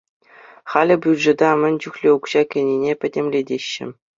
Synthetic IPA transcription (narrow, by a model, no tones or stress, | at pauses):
χɑlʲɘ̆bʲylʲʐɘ̆d̪ɑmʲɘ̆nʲt͡ɕuxlʲeukɕɑkʲɘ̆nʲinʲepʲɘ̆dʲemlʲedʲeɕːɘ̰̆